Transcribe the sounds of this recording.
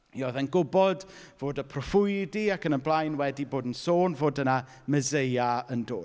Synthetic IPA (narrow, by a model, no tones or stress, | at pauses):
iɔðɛnɡʊbɔdv̥oːdəpʰrɔfʊjdiakənənblˠajnwɛdiboːdn̩soːnvoːdəna | məzejaəndo̰ːd